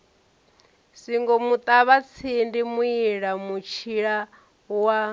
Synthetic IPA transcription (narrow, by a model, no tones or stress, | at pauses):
siŋɡɔmut̪ʼaβat͡sʰindimuiɺamut͡ʃʰiɺa | wa